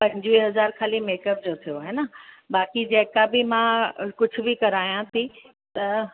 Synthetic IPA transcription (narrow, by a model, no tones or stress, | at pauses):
pɐ̃ɦɪd͡ʑʋɦɐzaːɾkʰaːlimeːkəp̚d͡ʑoːt̪ʰijoaːɦenə | baːkid͡ʑeːkabɪmãkʊd͡ʑʱʊ̆bɪkɐɾaːjãt̪ʰi | t̪ɐ